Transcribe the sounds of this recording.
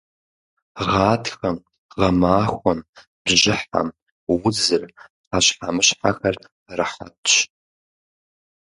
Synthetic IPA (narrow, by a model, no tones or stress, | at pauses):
ʁaːtxɐm | ʁamaːxʷan | bʒɪħa̰m | wʊd͡zɨr | qaʃħamɨʃħaxɐr | rɨħa̰tʰʃ